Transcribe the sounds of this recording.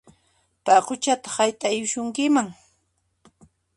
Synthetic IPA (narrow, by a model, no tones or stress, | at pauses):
paqʊt͡ʃat̪ḁχajt̪ajʊʃʊŋkɪmaŋ